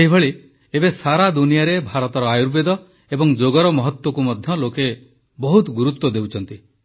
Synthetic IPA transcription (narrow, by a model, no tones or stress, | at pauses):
eɦibʱeɭi | ebesaɾad̪unijaɾebʱaɾɔt̪ɔɾɔajuɾbed̪ɔ | ebɔŋd͡ʒoɡɔɾɔmɔɦɔt̪wɔkumɔd̪ʱjɔloke | bɔɦut̪ɡuɾut̪wɔd̪ewt͡ʃʰɔnt̪i